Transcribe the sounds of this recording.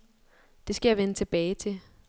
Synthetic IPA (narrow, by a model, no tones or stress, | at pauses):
d̥e̝sɡ̥æjɑ̈ʋenət͡sʰe̝b̥ɛːɪt͡sʰe̝